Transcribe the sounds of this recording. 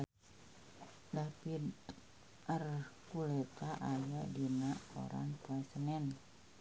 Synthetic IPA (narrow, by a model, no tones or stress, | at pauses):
dapi | ərkulɛt̪aʔajadinao̰ɾa̰ŋpoɛsənɛn